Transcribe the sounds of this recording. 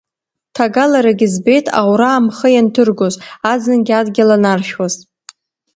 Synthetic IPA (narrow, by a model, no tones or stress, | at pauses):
tʰaɡalaɾaɡʲɪzbe̞jtʰa̰wɾaːmχəjantʰɨrɡozad͡zɨnɡʲadɡʲalanarʃwaz